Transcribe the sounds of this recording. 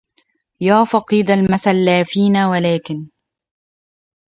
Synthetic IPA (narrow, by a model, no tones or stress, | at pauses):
jaːfɑqiːd̪almasalːaːfiːnawalaːkɪn